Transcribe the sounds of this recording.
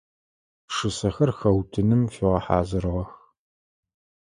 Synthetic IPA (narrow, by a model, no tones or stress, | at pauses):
ʂɨsɐxɐrxɐwtʰɨnɨmfiʁɐħa̰ːzɨrʁɐx